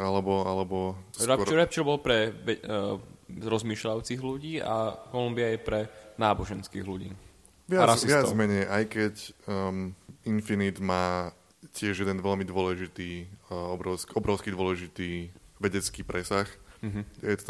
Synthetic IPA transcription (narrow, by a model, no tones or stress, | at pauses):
alɛbɔalɛbɔɾɛɔɾɛp̚t͡ʃɛɾbɔlpɾɛʋɛ | ɾɔzmiːʃlajut͡siɣluɟiːa̰kɔlumbiajɛpɾɛnaːbɔʒɛnskḭːɣluɟḭː | ʋɪaɾasiʋɪad͡zmɛɲɛjʔajkɛc | infinid̪maː | cɪɛʒjɛd̪ɛnʋɛʎmid̪ʊɔlɛʒit̪iːɔbɾɔʊskiɔbɾɔʊskid̪ʊɔlɛʒit̪iːʋɛɟɛt͡skiːpɾɛsaxɦjɛt̪ɔt̪